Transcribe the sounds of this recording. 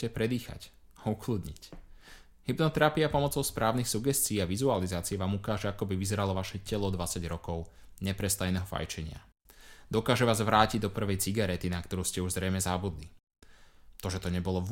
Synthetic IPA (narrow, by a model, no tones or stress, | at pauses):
cɛpɾɛd̪iːxa̰c | aukluːd̪ɲic | hibnɔt̪ɛɾapiapɔmɔt͡sɔʊspɾʔaːʊnixsuɡɛst͡siːaʋizualizaːt͡siɛʋaːmukaːʒɛakɔbiʋizɛɾalɔʋaʃɛcɛlɔd̪ʋat͡saɟɾɔkɔʊɲɛpɾɛst̪ajnɛɦɔfa̰jt͡ʃɛɲɪa̰ | d̪ɔkaːʒɛʋaːzʋɾaːciɟd̪ɔpr̩ʋɛjt͡siɡaɾɛt̪inakt̪ɔɾuːscɛuʒzɾɛjmɛzabud̪li | t̪ɔʒɛt̪ɔɲɛbɔlɔʋ